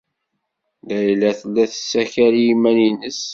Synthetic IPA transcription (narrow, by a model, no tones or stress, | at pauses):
ðæjlːæθəlːæθə̥sːæçæɾjimæninəs